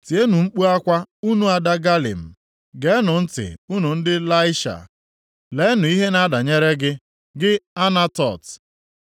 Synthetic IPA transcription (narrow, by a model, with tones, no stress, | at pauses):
ti˨e˦nu˨ŋ͡m̩˦k͡pu˦a˦kʷa˦u˦nu˦a˨da˦ɡa˦lḭ˨m̩˨ | ɡe˦nʊ˨n̩˦tɪ̰˨u˦nu˨n̩˦dɪ˦la˦ɪ˦ʃa̰˨ | le˨˦nʊ˨i˦ɦe˦na˦da˨ɲe˦ɾe˦ɡɪ˦ | ɡɪ˦a˦na˦tɔ˨t